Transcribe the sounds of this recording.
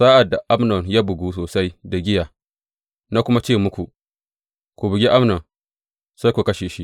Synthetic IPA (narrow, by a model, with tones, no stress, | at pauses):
saː˦ʔa˨da˨ʔa˦mnɔ˨ŋjaː˦bʊ˨ɡuː˦soː˨sa˦jda˨ɡʲɪ˦jaː˨ | na˦kʷʊ˦ma˦t͡ʃeː˦˨mʊ˦kʷu˨ʔ | kʷu˨bɪ˨ɡʲi˦ʔa˦mnɔ˨ŋ | sa˦jkʷu˨kɐ˦ʃeː˨ʃi˦ʔ